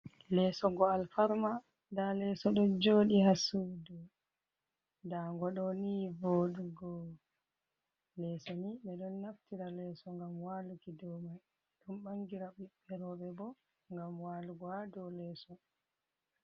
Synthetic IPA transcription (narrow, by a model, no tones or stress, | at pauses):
lɛsɔɡɔalfaɾma | dalɛsɔɗɔnd͡ʒoːɗihasudu | daŋɡɔɗɔnivoːɗuɡɔ | lɛsɔniɓɛɗɔnːaftiɾalɛːsɔŋɡamwaːlukidɔmaj | ɗɔnɓaŋɡiɾaɓiɓːɛɾɔɓɛbɔ | ŋɡamwaluɡɔadɔlɛsɔ